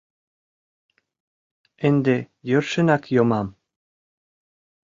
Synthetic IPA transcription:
end̪e | jørʃə̆nɑkjomɑm

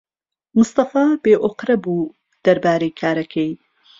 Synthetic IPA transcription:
mʊst̪ɑfaːbeːʔoqɾɐbuː | d̪̥ɐɾbaːɾejkʰaːɾɐkʰej

